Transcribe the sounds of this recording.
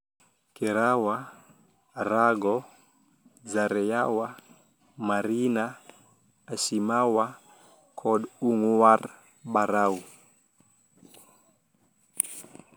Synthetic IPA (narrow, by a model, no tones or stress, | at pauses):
kɛɾawa | raɡɔ | zaɾɛjawa | maɾinaː | simawa | kʰɔɗuŋuwar | ɓaɾau